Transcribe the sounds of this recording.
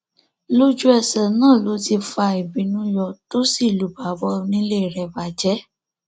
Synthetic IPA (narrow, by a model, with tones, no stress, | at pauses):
lo˦d͡ʒu˦ɛ˨sɛ˨nãː˦˨lo˨˦ti˧fa˧i˨bĩ˨˦nũ˦jɔ˧to˦si˦˨lu˨˦ba˨˦bɔ˧nĩ˦le˦˨ɾɛ˨ba˨d͡ʒɛ˦